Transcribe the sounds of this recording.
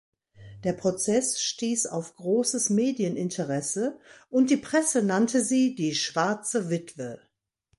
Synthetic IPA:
d̥eːɐpʁ̥ot͡sɛsʃtiːsa̰ʊfɡ̥ʁoːsəsmeːdiənɪntʰəʁɛsəʔʊntd̥iːpʁ̥ɛsənantʰəziːdiːʃv̥aɐt͡səvɪtv̥ə

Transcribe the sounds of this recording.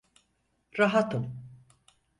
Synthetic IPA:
ɾaɦat̪ʰɯm

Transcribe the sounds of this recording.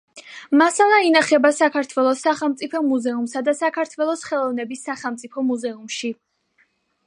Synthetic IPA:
masalainaχɛbasakʰaɾt̪ʰwɛlˠɔsaχɛlˠmt̪sʼipʰɔmuzɛumsad̪asakʰaɾt̪ʰwɛlˠɔsχɛlˠɔvnɛbisːaχɛlˠmt̪sʼipʰɔmuzɛumʃi

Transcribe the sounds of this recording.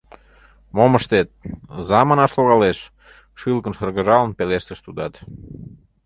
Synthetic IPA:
moməʃt̪et̪̚zɑmənɑʃloɣɑleʃ | ʃɨlkənʃərɣə̆ʒɑlənpeleʃt̪əʃt̪ud̪ɑt̪

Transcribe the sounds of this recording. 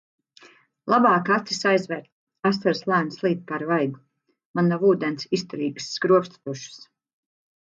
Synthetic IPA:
lˠabɑːkat̪sisajzvɛːɾt̪ | asaɾslˠaːnslˠiːt̪̚paɾvajɡ̪u | manːavuːd̪ɛnsist̪ɔɾiːɡɨ̥sːkɾuɔpst̪t̪uʃɨ̥s

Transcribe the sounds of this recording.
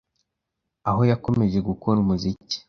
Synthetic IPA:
aɦo̞jako̞me̞ʒe̞ɡukoɾumuzici̥

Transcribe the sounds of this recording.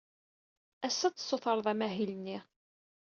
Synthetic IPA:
æsːæt͡sːsˤːoθəɾˤəðˤæmæɦilnːi

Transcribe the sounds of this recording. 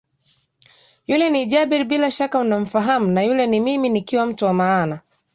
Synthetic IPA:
julɛniʄabiɾbilaʃakaunam̩faɦamunajulɛnimiminikiwam̩tuwamaːna

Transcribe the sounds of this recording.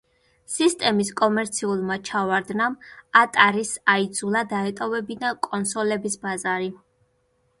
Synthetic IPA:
sist̪ʼɛmiskʼɔmɛɾt̪sʰiulˠmat͡ʃʰavaɾd̪namat̪ʼaɾisaid̪zulˠad̪aɛt̪ʼɔvɛbinakʼɔnsɔlɛbisbazaɾi

